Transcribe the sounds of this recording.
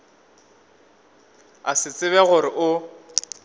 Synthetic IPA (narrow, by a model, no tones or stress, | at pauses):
asɪt͡sʼɪβɛɣʊɾɪʔʊ